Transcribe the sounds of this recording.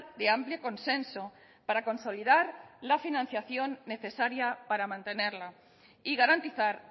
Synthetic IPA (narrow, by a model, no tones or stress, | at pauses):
d̪eampljoko̞nsẽnso | paɾakõ̞nso̞liðaɾlafinãn̟θjaθjo̞nːe̞θe̞saɾjapaɾamãnt̪e̞neɾla | iɣaɾant̪iθaɾ